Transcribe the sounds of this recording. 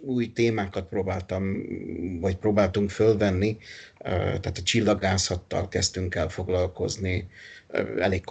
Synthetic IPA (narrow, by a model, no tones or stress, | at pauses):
uːjt̪eːmaːkɒt̪̚proːbaːlt̪ɒm | vɒcproːbaːlt̪uŋkfølvɛnːḭ | t̪ɛːt̪ɒt͡ʃilːɒɡaːsɒt̪ːɒ̰lkɛst̪yŋkɛlfo̞ɡlɒlko̞̰znḭ | ɛleːkː